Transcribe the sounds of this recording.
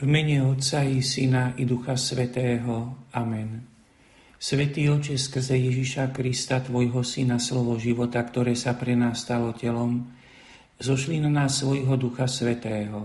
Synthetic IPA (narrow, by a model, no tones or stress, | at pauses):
vmɛɲɛɔt̪t͡sajɛsinaid̪uxasʋɛt̪ɛːɦɔamɛn | sʋɛt̪iːɔt͡ʃɛskr̩zɛjɛʒiʃakɾist̪at̪ʋɔjɦɔsinaslɔʋɔʒiʋɔt̪akt̪ɔɾɛːsapɾɛnaːsːt̪alɔcɛlɔm | zɔʃlinanaːsːʋɔjɦɔd̪uxasʋɛt̪ɛːɦɔ